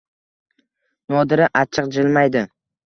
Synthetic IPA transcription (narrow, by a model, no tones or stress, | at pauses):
nɒd̪ɪɾɪʔat͡ʃʰɨqd͡ʒɪlmajd̪ɪ